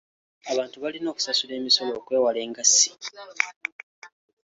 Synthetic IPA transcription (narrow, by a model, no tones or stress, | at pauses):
aβaːntuβalino̞ːku̥sasule̞ːmiso̞lo̞ːkwe̞ːwale̞ːŋɡasi̥